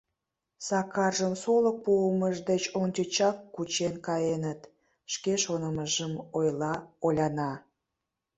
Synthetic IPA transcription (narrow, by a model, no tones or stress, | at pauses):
sɑkɑrʒəmsolək̚puəməʒd̪et͡ɕonʲtʲət͡ɕɑkːut͡ɕenkɑjenət̪ | ʃkeʃonəməʒəmojlɑolʲɑnɑ